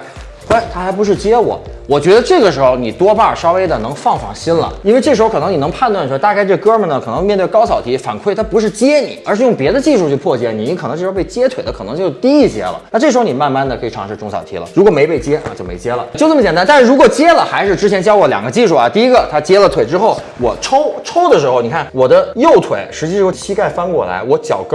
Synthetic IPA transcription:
a˥˩ɪt̪ʰa˥xa˧˥ɪpu˧˥ʂ̬ɻ̩˥˩t͡ɕjɛ˥wɔ̰˨˩˦wɔ˨˩t͡ɕɥɛ˧˥d̪ə˧ʈ͡ʂɤ˥˩ɡə˩ʂɻ̩˧˥xo˧ʊni˨˩t̪wɔ˥pa˥˩ʂɑ˥ʊwe˥ɪd̪ə˨nɤ˧˥ŋfɑ˥˩ŋfɑ̰˨˩ŋɕi˥nlə̰˨˩i˥nwe˥˧ɪʈ͡ʂɤ˥˩ʂɻ̩˧˥xʊk̪ʰɤ˧˥ŋni˨˩n˧˥ŋpʰa˥˩˧nt̪wa˥˩n˩ʂt̪a˧ka˥˧ɪʈ͡ʂɤ˥˩kɤ˥mə˨˩nə˩kʰɤ˨˩nɤ˧˥ŋ˥˧mjɛ˥˧nt̪we˥˩ɪkɑ˥ʊsɑ˨˩ʊt̪ʰi˧˥fa̰˨˩nkʰwe˥˩ɪt̪ʰa˥˩pu˧˥ʂ̬ɻ̩˥˩t͡ɕjɛ˥nḭ˨˩˦ə˞˧˥ʂɻ̩˥˧jʊ˥˩ŋpjɛ˧˥d̪ə˧t͡ɕi˥˧ʂu˥˧t͡ɕʰy˥˧pʰwɔ˥˩t͡ɕjɛ˥˩ni˨˩ni˧˥kʰn˧˥ŋʈ͡ʂɤ˥˩˧pe˥˩ɪt͡ɕjɛ˥t̪ʰwe˨˩ɪd̪ə˦kʰɤ˨˩ɤ˧˥ŋt͡ɕjo˥˧ʊt̪i˥i˥˩t͡ɕjɛ̰˧˥lə̰˨na˥˧ʈ͡ʂɤ˥˩ʂɻ̩˧˥xo˧ni˨˩ma˥˧nma˥˩nd̪ə˩kʰɤ˧˥i˨˩ʈ͡ʂʰɑ˧˥ŋʂɻ̩˥˧˩ʈ͡ʂʊ˥˩ŋsɑ˨˩ʊt̪ʰḭ˧˥lə̰˨ɻu˧˥kwɔ˨˩me˧˥ɪpe˥˩ɪt͡ɕjɛ̰˥˧t͡ɕjo˥˩ʊmḛ˧˥ɪt͡ɕjɛ˥lə̰˨t͡ɕo˥˧ʊn˥mə˩t͡ɕɛ˨˩nt̪a˥n˥t̪nʂɻ̩˥˩ɻu˧˥kwɔ˨˩t͡ɕjɛ˥lə˨xa˧˥ɪʂɻ̩˥˧ʈ͡ʂɻ̩˥t͡ɕʰjɛ˧˥nt͡ɕjɑ˥ʊwɔ˧˥ljɑ̰˨˩ŋɡə˦t͡ɕi˥˧ʂu˥˩a̰˩t̪i˥˩i˥ɡə˨t̪ʰa˥t͡ɕjɛ˥lə˨t̪ʰwe˨˩ɪʈ͡ʂɻ̩˥xo˥˩ʊ | wɔ̰˨˩ʈ͡ʂʰo˥ʊʈ͡ʂʰo˥ʊd̪ə˨ʂɻ̩˧xo˧ʊni˨˩kʰa˥˩nwɔ˨˩d̪ə˦jo˥˩ʊt̪ʰwe˨˩ɪʂɻ̩˧˥t͡ɕi˧ʂjo˥˩t͡ɕʰi˥ka˥˩ɪfa˥nkwɔ̰˥˩la̰˧˥ɪwɔ˧˥t͡ɕjɑ̰˨˩ʊkɤ˥

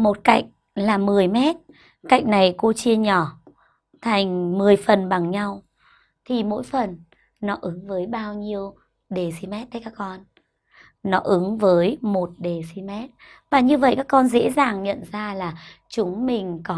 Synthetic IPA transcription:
mo˨˩t̚ka̰˧˩jk̟̚ | laː˨˩mɨ˨˩əjmɛ˦˥t̚ | ka̰˧˨jk̟̚na˨˩jko˧t͡ɕi˧əɲɔ˧˩ | t̪ʰa˨˩jŋ̟mɨ˨˩əjfə˨˩nɓa˨˩ŋɲa˧w | t̪ʰi˨˩mo̰˧˥jfə˨˩nː | ɔ˨˦ʔɨ˨˦ŋvəː˨˦jɓaː˧wɲi˧əw | ɗe˨˩si˧mɛ˦˥t̚t̪əː˨˦kaː˦˥k̚ːkɔ˧nː | ɔ˨˦ʔɨ˨˦ŋvəː˨˦jmo˨˩t̚ɗe˨˩si˧mɛ˦˥t̚ | vaː˨˩ɲɨ˧və̰˧˨jkaː˦˥kːɔ˧nzḛ˧˥zaː˨˩ŋɲə̰˧˨nzaː˧laː˨˩ | t͡ɕʊ˨˦ŋ͡mmï˨˩ŋ̟kɔ˨˦

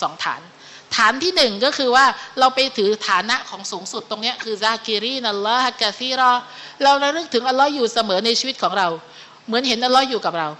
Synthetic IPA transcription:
sɔː˩˦ŋt̪ʰa̰ː˩˦n | t̪ʰaː˩˦nt̪ʰiː˥˩nɯ˨˩ŋkɔː˥˩kʰɯː˧waː˥˩ɾa˧wpa˧jt̪ʰɯː˩˦t̪ʰaː˩˦na˦˥ʔkʰɔː˩˦ŋsuː˩˦ŋsu˨˩t̪ːo˧ŋni˦˥ɐʔkʰɯː˧zaː˧kiː˧ɾiː˥˩˨na˧lːɔ˦˥ha˧kːaː˧siː˥˩ɾɔː˥˩ɾa˧wɾa˦˥ɾɯ˦˥˩k̚t̪ʰɯ˩˦ʔa˧nlːɔ˦˥juː˨˩sa˧mɤː˩˦na˧jt͡ɕʰiː˧wi˦˥t̪̚kʰɔː˩˦ŋɾa˧w | mɯ˩˦ənɦe˩˦nʔa˧lːɔ˦˥juː˨˩ka˨˩p̚ɾa˧w

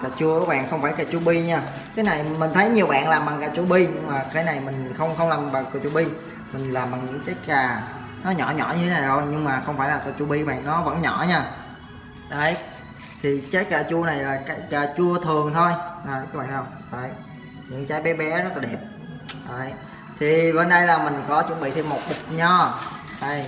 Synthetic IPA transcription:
aː˨˧˩t͡ɕu˧əkɔ˨˦ɓa̰ː˧˨nxə˧wŋ͡mfaː˧˩jkaː˧˩t͡ɕu˧ɓi˧ɲaː˧ | kaː˨˦na˨˩jmï˨˩ŋ̟t̪ʰə˨˦jɲi˨˩əwɓa̰ː˧˨nlaː˨˩mɓa˨˩ŋkaː˧˩t͡ɕu˧ɓi˧ɲɨ˧ŋmaː˨˩kaː˨˦jna˨˩jmï˨˩ŋ̟xə˧wŋ͡mxə˧wŋ͡mlaː˨˩mɓaː˨˩kɨ˨˧˩t͡ɕu˧ɓi˧ | mï˨˩ŋ̟laː˨˩mːba˨˩ŋɲɨ̰˧˥ŋt͡ɕe˦˥t̚kaː˨˩ | nɔ˨˦ɲɔ̰˧˩ɲɔ̰˧˩ɲɨ˧t̪ʰe˨˦na˨˩zo˧jɲɨ˧ŋmaː˨˩xə˧wŋ͡mfaː˧˩jlaː˨˩kɔː˧˩t͡ɕu˧ɓi˧˦ɓa̰ː˧˨nɔ˨˦və̰˧˥nɲɔ̰˧˩˨ɲaː˧˩ | ɗə˨˦ | t̪ʰi˨˩t͡ɕə˦˥t̚kaː˧˩t͡ɕu˧əna˨˩jlaː˨˩ka˦˥jkaː˧˩t͡ɕu˧ət̪ʰɨ˨˩əŋt̪ʰo˧jʔəː˨˩jkːɓa̰ː˧˨ŋ˨zə˨˩jʔəː˨˩j | ɲɨ̰˧˥ŋt͡ɕaː˨˦jɓɛ˨˦ɓɛ˨˦zə˦˥t̚laː˨˩ɗe˨˩p̚ | ʔəː˨˩j | t̪ʰi˨˩və˧˩nɗə˧jlaː˨˩mï˨˩ŋ̟kɔ˨˦t͡ɕu˧˦ɓḭ˧˨t̪ʰe˧mo˨˩t̚ɗi˨˩k̚ɲɔ˧ʔə˧˩j

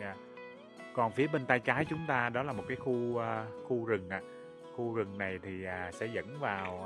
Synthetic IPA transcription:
aː˧˩ | kɔ˨˩nfi˨˦əɓe˧nt̪aː˧jt͡ɕaː˨˦jt͡ɕʊ˨˦ŋ͡mt̪aː˧ɗɔ˨˦laː˨˩mo˨˩t̚kaː˨˦jxu˧əː˧xu˧zɨ˨˩ŋʔa̰ː˧˨ | xu˧zɨ˨˩ŋna˨˩jt̪ʰi˨˩ʔaː˨˩sɛ̰˧˥zə̰˧˥nvaː˨˩w

